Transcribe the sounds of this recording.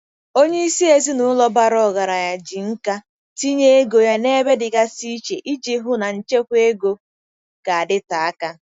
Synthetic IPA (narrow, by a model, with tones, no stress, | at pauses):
o˦ɲe˦i˦si˦e˨zi˦nʊ˦lɔ˦ba˦ɾɔ˦˨ɣa˨ɾa˨ja˨d͡ʒi˨ŋ̩˦ka˦ | ti˦ɲe˦e˦ɡo˨ja˦ne˦be˦dɪ˨ɡa˦si˦t͡ʃe˨ʔi˦d͡ʒi˦ɦʊ˦na˨n̩˨t͡ʃe˦kʷe˦ɡo˦ | ka˨a˨dɪ˦ta˨a˦ka˦